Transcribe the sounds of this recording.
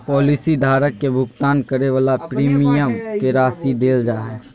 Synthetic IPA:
pɔːlisid̪ʱaːɾəkːebʱʊɡt̪aːnkəɾeʋaːlapɾiːmijəmkeɾaːsid̪eːld͡ʒaːɦɛː

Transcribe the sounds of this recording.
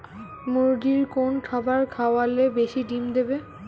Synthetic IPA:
muɾɖiɾkonkʰabaɾkʰaoalebeʃiʈimd̪ebe

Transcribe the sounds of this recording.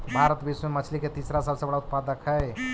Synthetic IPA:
bʱaɾət̪bʱismemət͡ʃʰliket̪iːsɾasəbsebəɽaut̪̚pad̪əkɦəj

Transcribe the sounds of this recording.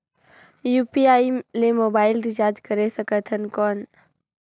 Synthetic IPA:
juːpiaːilemoːbaːɪlɾɪd͡ʒaːd̪kəɾesəkət̪ʰənkɔːn

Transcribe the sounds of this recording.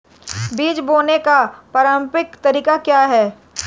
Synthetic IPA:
biːd͡ʒboːnekapaːɾə̃mpɪkt̪ɐɾiːkakjaːɦɛː

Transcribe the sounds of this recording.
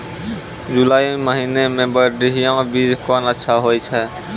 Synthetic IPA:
d͡ʒulaːiməɦinemẽbəɖiɦijãbid͡ʒkɔnətːʃʰaɦojt͡ʃʰɛ

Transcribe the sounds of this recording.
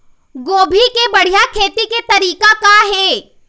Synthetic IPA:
ɡoːbʱikebɐɽ̤ijakʰeːt̪iket̪ɐɾiːkakaɦɛː

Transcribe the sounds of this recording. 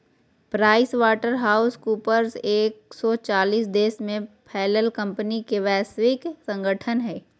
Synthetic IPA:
pɾaːɪsʋaːʈəɾɦaːʊskuːpəɾzeːksɔːt͡ʃaːliːsd̪eːsmẽpʰɛːləlkə̃mpənikeʋɛːsʋɪksɐ̃ŋɡəʈʰənɦɛː

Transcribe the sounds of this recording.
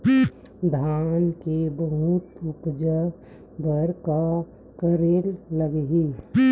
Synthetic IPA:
d̪ʱaːnkebəɦut̪ʊpd͡ʒə | bəɾka | kəɾeːlːəɡɦi

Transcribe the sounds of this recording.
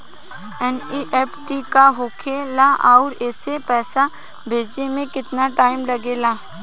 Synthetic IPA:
ɛniːʔeːpʈikaɦoːkʰelaʔaʊɾɛːsepɛːsa | bʱeːd͡ʒemẽkɪt̪naʈaːɪmlɐɡelaː

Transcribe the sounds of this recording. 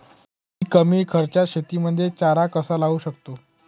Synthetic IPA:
ɦiːkəmiːkʰəɾt͡ɕjaɕet̪iːməd̪ʱːjet͡ɕaɾakəsalaʋuːɕəkt̪o

